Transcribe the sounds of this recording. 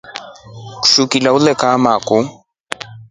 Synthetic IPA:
kʃukilaʊlɛkʼaːmaːkʼʊ

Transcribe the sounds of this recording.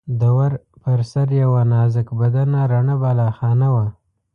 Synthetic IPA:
d̪awaɾpəɾsaɾjawanɑzɪkbad̪anaɾaɳabalɑxɑnawa

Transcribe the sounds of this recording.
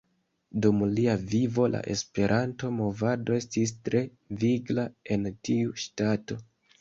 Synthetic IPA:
dumliavivo̞la̰ʔe̞̰spe̞ɾʔanto̞mo̞vado̞e̞stis̬tɾʔe̞ | viɡlae̞ntiuʃtato̞

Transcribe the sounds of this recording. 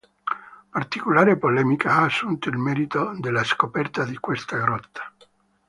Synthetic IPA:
part̪ikolaːɾepolɛːmikʰaaːsːunt̪oilmɛɾit̪od̪elːaskopɛrt̪ad̪ikwest̪aɡɾɔt̪ːḁ

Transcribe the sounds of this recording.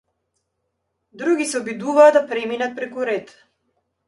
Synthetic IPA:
d̪ɾuɡʲisɛɔbid̪uvaːd̪apɾɛminat̪̚pɾɛkuɾɛt̪

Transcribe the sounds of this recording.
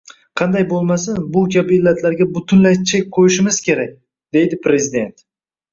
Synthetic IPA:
qʰɑnd̪ajbolˠmasanbʊkʲabɪɪlːat̪ʰlaɾɡʲabʊt̪ʰʊnlajt̪t͡ʃʰak̚ʲqʰojɪʃɪmɪz̥kʲʰe̞ɾak̚ʲ | d̪e̞jd̪ɪpɾe̞zɪd̪e̞̰nt̪

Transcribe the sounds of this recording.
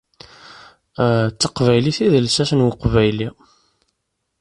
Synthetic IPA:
t͡sːəqvæjliθiðəlsæsənwəqvæjli

